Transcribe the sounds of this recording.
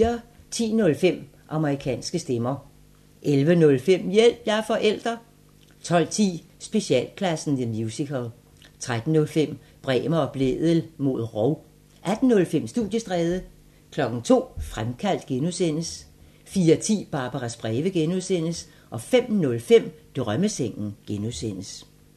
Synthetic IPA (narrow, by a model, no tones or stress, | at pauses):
ɐ | t͡sʰḭːnɔ̽lfem̰ | ʔɑ̈məʁikʰɛ̰ːnsɡ̥əsd̥emɐ | ʔelʋənɔ̽lfem̰jel̰b̥jɑɐfɒ̽ʔel̰d̥ʁɐ | t͡sʰɒ̽l̰t͡sʰḭː | sb̥e̝ɕiɛ̰ːlkʰlæsn̩ðəmjuːsikʰəlˠ | t͡sʰʁad̥n̩nɔ̽lfem̰ | b̥ʁɛ̰ːmɐɒ̽b̥lḛːðˠəl̩mo̝ðˠʁɒʊ | ʔæd̥n̩ːɔ̽lfem̰sd̥uðˠjəsd̥ʁɛːðˠə | kʰlɒ̽ɡ̥n̩t͡sʰo̝̰ːfʁamkʰæl̰d̥̚ɡ̥enusen̰əs | fiːɐt͡sʰḭːb̥ɑ̈ːb̥ɑʁasb̥ʁɛːʋəɡ̥enuðˠsen̰əs | ʔɒ̽fem̰nɔ̽lfem̰d̥ʁɶməseŋ̰n̩ɡ̥enuðsen̰əs